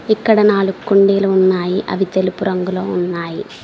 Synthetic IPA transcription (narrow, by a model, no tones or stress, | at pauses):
ikːɐɽenaːɭukːuɳɖiːlunːaːjiʔɐ̰ʋit̪elupurɐŋɡulounːaːji